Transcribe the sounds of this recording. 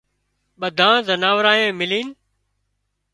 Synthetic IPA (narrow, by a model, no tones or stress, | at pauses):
ɓəd̪ʱãːzənaːʋɾaːẽːmɪliːn